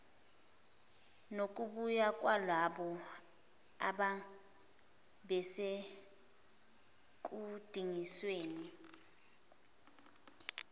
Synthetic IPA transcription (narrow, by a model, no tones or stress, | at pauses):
nok̬ʼuɓujak̬ʼwalwaɓɔ | aɓa | bɛse | k̬ʼud̥ʱiŋisweːni